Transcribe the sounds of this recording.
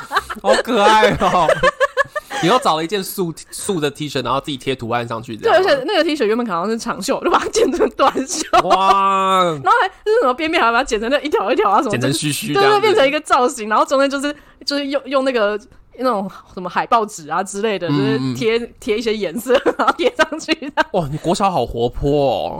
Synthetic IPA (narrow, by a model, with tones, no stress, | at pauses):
o˧kɤ˧a˥˩ɪ˧ | ni˨˩jo˥˩ʈ͡ʂɑ˨˩lə˧i˧t͡ɕjɛ˥˧nsu˥˧su˥˧d̪ə˩t̪ʰi˧˥ʂna˧˦xo˥˧t͡sɹ̩˥˩t͡ɕi˨˩t̪ʰjɛ˦˥t̪ʰu˧˥a̰˥˧nʂɑ̰˥˨˧ŋt͡ɕʰy̰˥˩˥ɪə˦˥t͡ɕʰjɛ˨˩na˥˩ɡə˩i˧˥ʂ̬ə˧˥ɥmə˧˥nkʰɑ˥˧˩ʈ͡ʂʰɑ̰˧˥ŋɕjo˥˨ʊt͡ɕo˥˩ba˨˩a˥t͡ɕjɛ˥˧nʈ͡ʂʰə˥˧˥ŋt̪wa˥˧nɕjo˥˩a | na˧nxo˥˩xa˥t͡ɕʂ̩˥˩ʂə˩˦mə˧˩pjɛ˥nmjnxt͡ɕɛ˨˩nʈ͡ʂʰŋdə˧˩i˥˩t̪ʰjɑ˧˥ʊi˥t̪ʰjɑ˧˥ʊ˧a˧˥ʂə˧˥ɛ˨˩t͡sʰə˧˥ɕy˧˥˩ɕy˥˧t̪pjnʈ͡ʂʰə˧˥ŋi˧ɡə˧t͡sɑ˥˩ʊɕi˧˥˦ŋna˧˥nxo˥˩ʈ͡ʂo˥ŋe˥˩t͡ɕjo˧ʂɻ̩˥˧ | t͡ɕjo˥˧ʂɻ̩˥˧jo˥˧ŋjʊ˥˧ŋna˥˩ɡə˩ | na˥˩ʈ͡ʂʊ˨˩˦ŋŋʂə˧˦nmə˧xa˨˩ɪpɑ˥˩ʊʈ͡ʂɻ̩˨˩a˨ʈ͡ʂɻ̩˥le˥˩ɪd̪ə˩o˥˧ʊɻ̩ʰ˥˩jɛ˥t̪ʰjɛ˥i˥˩ɕ̬jɛ˥jɛ˧˥nsɤ˥˩a˧˥no˥˧t̪jɛ˨˩ʂɑ˥˧ŋt͡ɕʰy˥˩d̪ə˩wɔ˥˩ni˨˩kwɔ˧˥ɕjɑ˧˥ʊxɑ˨˩ʊxwɔ˧˥pʰwɔ̰˥˩